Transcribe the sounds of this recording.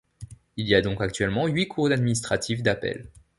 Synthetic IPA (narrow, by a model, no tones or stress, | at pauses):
ilijad̪ɔ̃kak̚t̪ɥɛlmɑ̃ɥikʰuʁd̪ad̪minis̬t̪χat̪ʰifd̪apɛ̰l